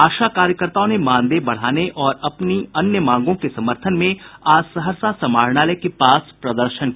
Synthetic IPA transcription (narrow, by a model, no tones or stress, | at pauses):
aːʃakaːɾjəkəɾt̪aːõnemãːnd̪ebɐɽ̤aːneʔɔːɾɐpniɐnjəmãːŋɡõkesɐməɾt̪ʰənmẽaːsəɦəɾsasɐmaːɾɳ̃aːlɛːkepaːspɾɐd̪əɾʃənkː